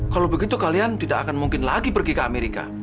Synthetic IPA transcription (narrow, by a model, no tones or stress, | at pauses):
kalaowbəɡit̪ukaliant̪idaʔkakanmuŋkɪnlaɡipərɡikəameɾika̰